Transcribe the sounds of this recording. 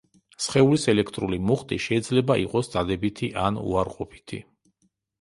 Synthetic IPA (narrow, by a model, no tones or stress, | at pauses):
sχɛulisɛlɛkʰt̪ʼɾulimuχt̪ʼiʃɛid̪zlɛbaʔḭqʼɔsd̪z̥ad̪ɛbit̪ʰiʔanṵaɾqʼɔpʰi̥t̪ʰḭ